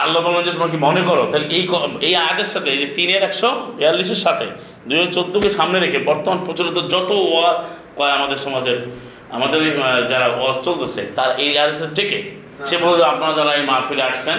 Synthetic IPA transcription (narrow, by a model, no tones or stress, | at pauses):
alːɔbamand͡ʒet̪omaɾk̬imɔnekɔɾot̪aɾʔejkɔejad̪esat̪et̪ineɾɛksɔbialːis̬eɾsat̪ʰḛ | d̪uet͡ʃod̪ːokesamneɾekʰebɔɾt̪ɔmanpɾot͡ʃuɾit̪ɔd͡ʒɔt̪ooa | kɔeamad̪eɾsɔmad͡ʒeɾ | a̰mad̪eɾd͡ʒaɾaɔst͡ʃold̪osʰet̪aɾaʔejad̪esat̪eʈike | sebʱɔapnaad͡ʒaɾaemaɾpʰiɾaʈʰsʰen